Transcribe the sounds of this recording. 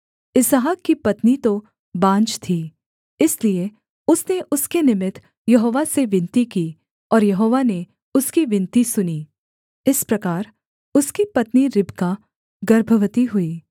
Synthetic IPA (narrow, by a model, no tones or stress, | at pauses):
ɪsaɦakːipɐt̪nit̪o | bãːnt͡ʃt̪ʰiː | ɪslie | ʊsneʔʊskenɪmɪt̪ʰ | jɐɦoːʋaseʋɪ̃nt̪ikiː | ɔːɾjɐɦoːʋane | ʊskiʋɪ̃nt̪isʊni | ɪspɾɐkaːɾ | ʊskipɐt̪niɾɪbka | ɡɐɾbʱəʋət̪iɦʊiː